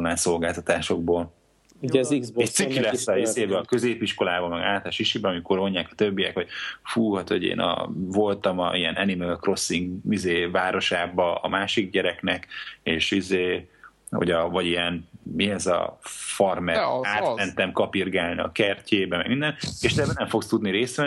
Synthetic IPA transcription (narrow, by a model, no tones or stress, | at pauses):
onlaːnso̞lɡaːlt̪ɒt̪aːʃo̞ɡ̚boːl | uɛizɛc̪sikilɛsːɒiseːbɛɒkøzeːpiʃko̞laːbɒmɛɡaːlt̪lʃiʃibɛɒmiko̞ro̞ɲːaːkɒ̥t̪øbːijɛkho̞ɟ̥fuːhɒt̪ho̞ɟḛːnɒ̰vo̞lt̪ɒmɒijɛnʔɛnimɛlkro̞sːiŋɡizeːvaːɾʔo̞ʃaːbɒɒ̰maːʃiɡ̚ɟɛɾɛknɛkeːʃizeː | ho̰ɟɒvɒɟijɛnmiɛzɒ̰fɒrmɛaːt̪mɛnt̪ɛmkɒpirɡaːlnḭɒ̰kɛrcʰeːbɛmɛ̰ɡmind̪ɛneːʃt̪ɛbɛnɛɱfo̞kst̪ud̪niɾeːst̪ɛ